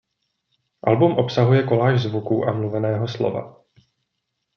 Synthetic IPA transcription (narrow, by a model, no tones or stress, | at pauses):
ʔalbumʔo̞psaɦujɛko̞laːʒzvukuːʔamluvɛnɛːɦo̞slo̞̰va̰